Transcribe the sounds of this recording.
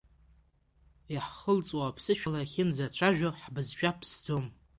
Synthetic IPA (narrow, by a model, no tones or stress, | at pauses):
iħχəlt͡sʼwapʰsɨʃᶣalaχʲɪnzat͡ɕʷʰaʒᶣoħbɨzʃʷᶣapʰsd͡zo̞m